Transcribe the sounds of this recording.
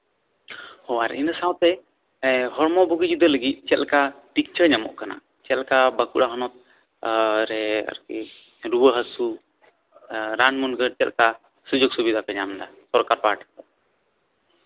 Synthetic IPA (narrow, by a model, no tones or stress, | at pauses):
hɔaɾinəsawt̪ɛ | hɔɾmɔbuɡid͡ʒud̪ələɡit̪̚ˀt͡ʃɛt̪lkaʈik̚t͡ʃəɾɲamɔ̰ʔkana̰ | t͡ʃɛt̪lkabəkuʔɽaɦɔnɔt̪̚ | ɾɛa̰ɾkḭ | ɾubəɦəsu | ɾanmunɡət͡ʃɛt̪lka | sud͡ʒoɡ̚subid̪apɛɲamɖasɔɾkaɾpaʈt̪ɛ